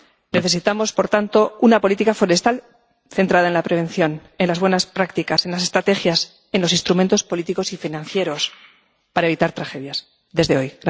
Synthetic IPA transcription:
ne̞θe̞s̬it̪amo̞spo̞ɾt̪ant̪o̞unapo̞lit̪ikafo̞ɾe̞st̪al | θe̞nt̪ɾaðae̞nlapɾe̞β̞e̞n̟θjo̞ne̞nlazβwe̞naspɾakt̪ikase̞nlase̞st̪ɾat̪e̞xjas | e̞nlo̞sinst̪ɾument̪o̞spolit̪iko̞sifinãn̟θje̞ɾo̞s | paɾae̞βit̪aɾt̪ɾaxe̞ðjas | ðe̞zðe̞o̞jɣɾa

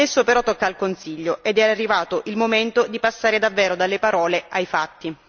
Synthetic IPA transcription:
ɛsːopeɾɔt̪ːokːaːlkonsiʎːoʔed̪ɛarːivaːt̪oʔilmoment̪od̪ipasːaːɾed̪avːɛːɾod̪alːepaɾɔːleʔajfat̪ːi

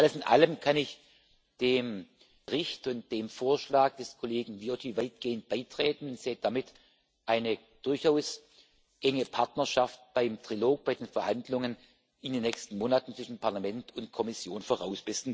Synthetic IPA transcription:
ʔaləsɪnʔa̰ləmkʰanɪç | d̥eːm | ʁɪçtʊnt̚d̥eːmfoːɐʃlaːɡ̚d̥ɛskʰoleːɡŋ̩viotʰivaɪt̚ɡ̥eːənt̚b̥aɪtʁ̥ɛːtn̩ʊntz̥eːəd̥amɪt | ʔaɪnə | d̥ʊɐçaʊs | ʔɛŋəpʰaɐtnɐʃaft̚b̥aɪmtʁ̥iloːk̚b̥aɪdeːnfɛɐhandlʊŋən | ʔɪndeːnːɛçstn̩moːnatn̩t͡sv̥ɪʃn̩pʰaɐlamɛntʰʊntkʰɔmɪsjoːnfoːʁa̰ʊsb̥ɪsn̩

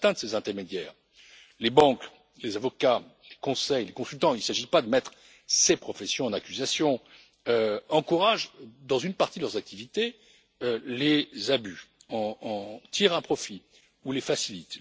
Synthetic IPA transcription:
t̪ɛ̃t̪sezɛ̃t̪ɛʁmed̪jɛːʁ | lebɑ̃k | lezavɔkalekɔ̃sɛjlekɔ̃sylt̪ɑ̃ilsaʒipad̪əmɛt̪χ | sepχɔfɛsjɔ̃ɑ̃nakʲyzasjɔ̃ | øɑ̃kuʁaʒd̪ɑ̃zynpaʁt̪id̪lœʁzak̚t̪ivit̪e | ølezabyɑ̃t̪ʰiʁɛ̃pχɔfi | ulefasilit̪

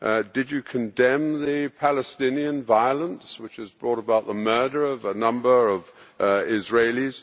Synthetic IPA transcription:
ʔdɨd͡ʒɨkʰɨ̃ndɛ̃mðɨpʰæləstɪ̃niɨ̃nvaɪəlˠə̃nswɨt͡ʃɨzbɹɔɾəbaʊt̪̚ðəmɜ˞ɾə˞ʌvənʌ̃mbə˞ʌvɪzɹeɪlˠiz̥

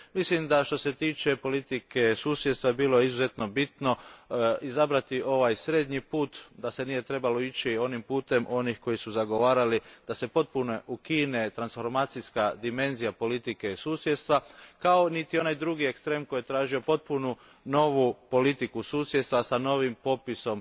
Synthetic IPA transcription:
mislimd̪aʃt̪o̞se̞t̪iːt͡ʃe̞po̞lit̪ike̞suːsjd̪st̪ʋaebiːloizuze̞t̪no̞bit̪no̞izabɾat̪io̞ʋajsɾeːd̪ɲipuːt̪d̪ase̞niːje̞t̪ɾe̞balo̞it͡ʃio̞nimpuːt̪e̞mʔo̞nixko̞jisuzaɡo̞ʋaːɾalid̪̥ase̞po̞t̪̚punoʔukine̞t̪ɾansfo̞ɾmaːt̪sijskad̪ime̞nzijapo̞lit̪ike̞suːsjed̪st̪ʋakao̞nit̪io̞najd̪ɾuɡie̞kst̪ɾeːmko̞jet̪ɾaːʒio̞po̞t̪̚punu | no̞ʋupo̞lit̪ikusuːsjest̪ʋasano̞ʋimpo̞piso̞m

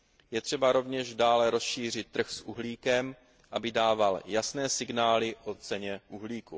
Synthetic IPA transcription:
jɛt̪r̝̥ɛbaɾo̞vɲɛʒdaːlɛɾo̞sʃiːr̝ɪt̪̚t̪ːr̩xsʔuɦliːkɛm | ʔabɪdaːvaljasnɛːsɪɡnaːlɪʔo̞t͡sɛɲɛʔuɦliːku

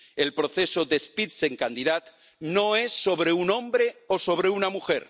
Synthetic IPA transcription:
elpɾoθe̞sod̪espit̪se̞ŋkand̪iðat̪ | no̞esːo̞βɾe̞unõ̞mbɾeoso̞β̞ɾe̞unamuxḛɾ

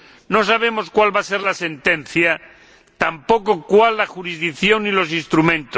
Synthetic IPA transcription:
no̞s̬aβ̞e̞mo̞skwalβase̞ɾlase̞nt̪ẽ̞n̟θja | t̪ampo̞ko̞kwalːaxuɾizðikθjo̞nilo̞s̬inst̪ɾumẽ̞nt̪o

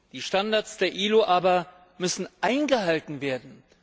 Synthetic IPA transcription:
d̥iːʃtandaɐsd̥eːɐʔiːloʔaːbɐ | mʏsn̩ʔaɪnɡəɦhaltn̩veːɐdn̩

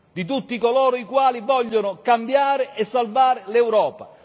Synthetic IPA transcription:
d̪it̪ut̪ːikolɔːɾoikwaːlivɔʎːonʊkambjaːɾɪʔɛsːalvaːɾɪlewɾɔːpa

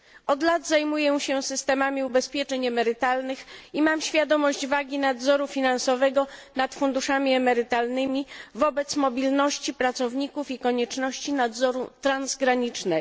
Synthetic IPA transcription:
ɔd̪lad̪zajmujɛɕɛsɘst̪ɛmamʲiubɛspʲjɛt͡ʂɛɲɛmɛɾɘt̪alnɘximamɕfʲjad̪ɔmɔʑd͡ʑvaɡʲinad̪zɔɾufʲinansɔvɛɡɔnat̪fund̪uʂamʲiɛmɛɾɘt̪alnɘmʲivɔbɛt̪smɔbʲilnɔɕt͡ɕipɾat̪sɔvɲikufikɔɲɛt͡ʂnɔɕt͡ɕinad̪zɔɾut̪ɾanzɡɾaɲit͡ʂnɛ

